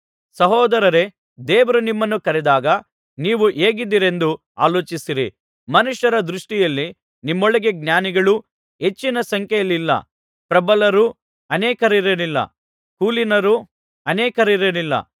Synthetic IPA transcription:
sɐɦɔːd̪ɐɾɐɾe̞ | d̪eːʋɐɾunimːɐnːukɐɾɛd̪aːɡɐ | niːʋuʔeːɡid̪ːiɾe̞nd̪u | a̰ːloːt͡ʃisiɾḭ | mɐnuʂjɐɾɐd̪ɾuʂʈijɐlːi | nimːɔɭɐɡe̞ɡ̚njaːniɡɐɭu | ɦe̞t͡ʃːinɐsɐŋkjɛjɐlːilːɐ̰ | pɾɐbɐlɐɾu | ɐnɛːkɐɾiɾɐnilːɐ̰ | kuːlinɐɾu | ɐnɛːkɐɾiɾɐnilːɐ̰

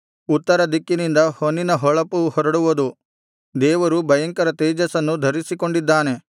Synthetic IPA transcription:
ut̪ːɐɾɐd̪ikːinind̪ɐhonːinɐɦɔɭɐpuhɔɾɐɽuʋɐd̪u | d̪ɛːʋɐɾubɐjɐŋkɐɾɐt̪eːd͡ʒɐsɐnːud̪ʱɐɾisiko̞ɳɖid̪ːaːne̞

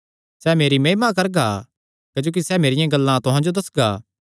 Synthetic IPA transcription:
sɛmeːɾimeːmãkɐɾɡa | kɐd͡ʒoːk̬isɛmeːɾɪjãɡɐlːãt̪ʊɦãd͡ʒod̪ɐsɡaː

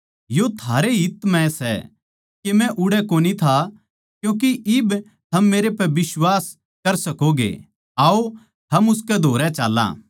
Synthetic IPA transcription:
jot̪ʰaːɾeɦɪt̪ːmɛ̃sɛ̰ | kemɛ̃ʔʊɽɛkoːnit̪ʰa | kjõːk̬iʔɪb | t̪ʰɐmːeːɾepɛbɪswaːs | kɐɾsɐkoɡḛ | aːo | t̪ʰɐmʊs̬kɛd̪ʱoːɾɛt͡ʃa̰ːlːã̰ː

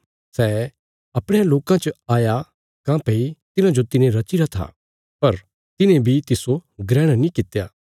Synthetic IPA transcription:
sɛː | ɐpɽeãloːkãt͡ʃəaːja | kãːpeit̪ɪnãd͡ʒot̪ɪnẽɾɐt͡ʃɪɾat̪ʰa̰ | pɐɾ | t̪ɪnẽbʱit̪ɪsoɡɾɛːɽ̃nĩkɪt̪ejaː

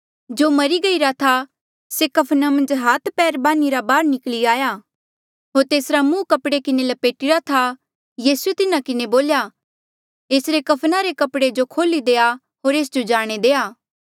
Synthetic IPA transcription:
d͡ʒoːmɐɾiɡɐiɾat̪ʰa | sekɐpʰnamɐ̃nd͡ʒɦaːt̪ʰpɛːɾbaːniɾabaːɾnɪkliaːja | ɦoːɾt̪eːsɾamũːkɐpɽekɪnelɐpeːʈɪɾat̪ʰa | jiːsuet̪ɪnakɪneboːlja | eːsɾekɐpʰnaɾekɐpɽed͡ʒokʰoːlid̪eːa | ɦoːɾeːs̬d͡ʒod͡ʒaːɽ̃ed̪eːaː

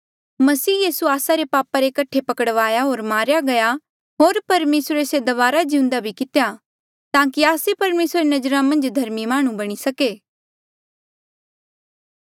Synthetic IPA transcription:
mɐsiːjiːsuaːsaɾepaːpaɾekɐʈʰepɐkəɽʋaːjaɦoːɾmaːɾjaɡɐja | ɦoːɾpɐɾmeːsɾesed̪ɐʋaːɾad͡ʒĩʊ̃nd̪abʱikɪt̪eja | t̪ãːkiaːsepɐɾmeːsɾenɐd͡ʒɾãmɐ̃nd͡ʒd̪ʱɐɾmimaːɽ̃ũbɐɽ̃isɐkeː

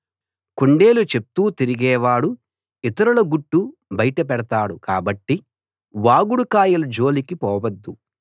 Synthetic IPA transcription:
kuɳɖe̞ːlut͡ʃep̚t̪uːt̪iɾiɡɛːʋaːɽu | it̪ɐɾɐlɐɡuʈːubɐjʈɐp̬ɛɽɐt̪aːɽukaːbɐʈːi | ʋaːɡuɽukaːjɐlud͡ʒo̞ːlikipɔːʋɐd̪ːu

